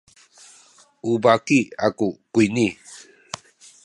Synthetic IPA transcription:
ubakiakukuini

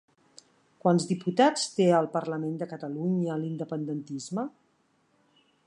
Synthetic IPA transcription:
kwanzdiput̪at͡st̪eəlˠpəɾləmend̪əkət̪əluɲəlind̪əpənd̪ənt̪izmə

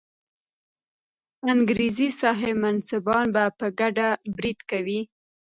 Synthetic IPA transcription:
aŋɡɾizisɑɦemansɪbɑnbapəɡaɖabɾid̪kawi

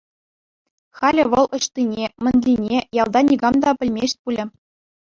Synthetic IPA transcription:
χɑlʲɘ̆ʋɤ̆lˠɤ̆ɕt̪inʲemʲɘ̆nʲlʲinʲejɑlˠd̪ɑnʲiɡɑmd̪ɑpʲɘ̆lʲmʲeɕʲt̚ʲpulʲɘ̆

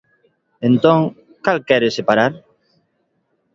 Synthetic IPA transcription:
ent̪õŋ | kalkɛɾesepaɾaɾ

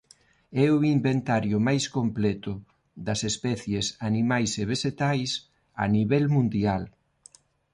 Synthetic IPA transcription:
ɛuimbent̪aɾjʊmajskomplɛt̪ʊ | ðɐsespɛθjesanimajseβ̞eʃet̪ajs | a̰niβɛlmũnd̪ial

